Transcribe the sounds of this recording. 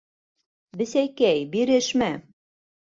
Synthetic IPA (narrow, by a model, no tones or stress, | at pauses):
bɘ̆sæjkæjbiɾɘʃmæ